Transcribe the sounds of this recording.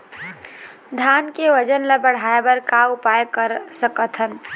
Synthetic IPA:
d̪ʱankeʋəd͡ʒənləbəɽ̤aebəɾkaupajkəɾsəkət̪ʰən

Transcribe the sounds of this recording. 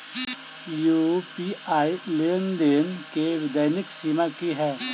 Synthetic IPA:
jupiaːileːnd̪enkeʋɪd̪əjnɪksimakiɦɛː

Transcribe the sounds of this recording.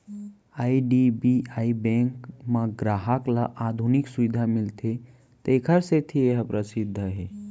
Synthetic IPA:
aiɖibiaibẽŋkməɡɾaɦaklaʔad̪ʱuniksuʋid̪ʱamilt̪ʰe | t̪ekʰəɾset̪ʰieɦəpɾəsid̪ʱːəɦe

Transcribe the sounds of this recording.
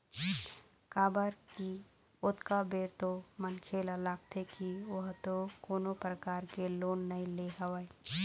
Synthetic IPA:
kaːbəɾki | ʊt̪kabeːɾt̪omənkʰeːlalaːk̚t̪ʰekiʋəɦt̪okoːnopɾəkaːɾkeloːnːɐĩleɦəʋae

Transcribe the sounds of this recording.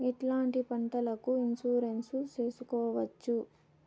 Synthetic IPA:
iʈlaːɳʈipɐɳʈɐlɐkuinsuːɾe̞nsut͡ʃe̞ːsukɔːʋɐt͡ʃːu

